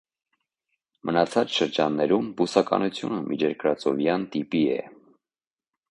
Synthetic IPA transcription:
mʔənɑt͡sʰɑt͡sʃəɾd͡ʒɑnːɛɾumbusɑkɑ̰nut͡sʰjunəmʔid͡ʒɛɾkɾɑt͡sɔvjɑnt̪ipiɛ̰

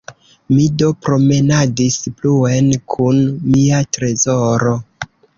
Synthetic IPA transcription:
mido̞pɾo̞me̞nadispluenkʰunmiatɾe̞zo̞ɾo̞

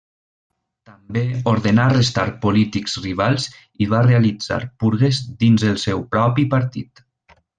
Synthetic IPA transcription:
t̪əmbeoɾðenarəst̪aɾpolit̪ikzriβ̞alˠz | iβarealid͡za̰ɾpuɾɣezd̪inzəlˠsɛwpɾɔpipəɾt̪it̪

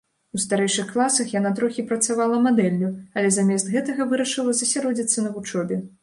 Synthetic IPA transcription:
ust̪aɾɛjʂɨxklˠasɐxjan̪at̪ɾɔxʲipɾɐt̪savalˠɐmad̪ɛlʲːuɐlʲɛzamʲɛst̪ɣɛt̪ɐɣɐvɨɾɐʂɨlˠɐzɐsʲaɾɔd͡zʲit̪sːɐnɐvut͡ʂɔbʲɛ

